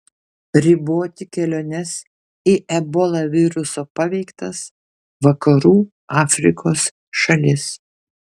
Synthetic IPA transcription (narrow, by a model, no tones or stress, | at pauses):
ɾʲɪboːt̪ʲɪkʲɛlʲoːnʲɛs | iʔɛbɔlˠɑʋʲɪɾʊsoːpɑʋʲɛɪkt̪ɐs | ʋɐkɐɾuː | ɑːfʲɾʲɪkoːs | ʃɐlʲɪs